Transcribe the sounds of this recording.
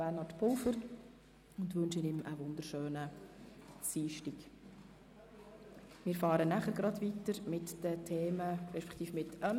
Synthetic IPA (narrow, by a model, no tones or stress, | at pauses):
ɛnhɑtpʰʊlfəɾ | ʊndʋɵnʃənɪməʋʊnd̪əɾʃøːnə | siːʃtik | mɪːɾfɑːɾənæχəɾɡɾɑdʋitəɾmɪtd̥ətʰeːməɾɛʃpɛ̥kʰt̪iːfmɪtəm